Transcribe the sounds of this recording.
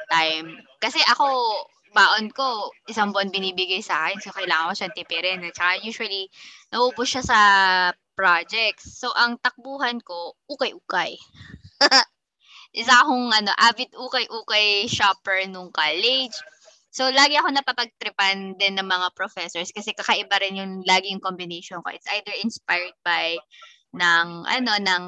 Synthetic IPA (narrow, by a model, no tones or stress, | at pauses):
t̪ajmkɐsɛʔɐko̞ | baːʔonko̞ʔɪsɐŋbʊʔɐnbɪniːbɪɡajsaːkɛnsokɐjlaːŋɐŋkoʃɐnt̪ɪpɛɾɛnɛt͡ʃɐkajuːʃʊwɐlinɐʔubʊsʃasɐ | pɹad͡ʒɛk̚t̪sːo̞ʔɐŋt̪ɐk̚buːɦɐnko̞ʔuːkɐjʔuːkɐj | ʔɪsɐɐkoŋʔɐno̞̰ʔaːvɪt̪̚ʔuːkɐjʔuːkɐjʃaːpɛɹnʊŋkalɛd͡ʒ | so̞laːɡɪɐko̞nɐpɐpɐɡ̚t̪ɾɪpɐnd̪ɪnːɐŋmɐŋapɾofɛsoɹskɐsɛkɐkɐʔɪbaɾɪnjʊŋlaːɡɪjʊŋkombɪnejʃonkoʔɪt̪sʔajd̪ɛɹɪnspajɹd̪̚baj | nɐŋʔɐ̰no̞nɐŋ